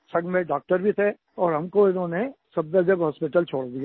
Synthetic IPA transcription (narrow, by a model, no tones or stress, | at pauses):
sɐ̃ŋɡmẽɖaːk̚ʈəɾbʱit̪ʰɛ | ɔːɾɦɐmkoɪnɦõːnesɐb̚d̪ed͡ʒəbɦɔːspɪʈəlt͡ʃʰoːɽd̪ia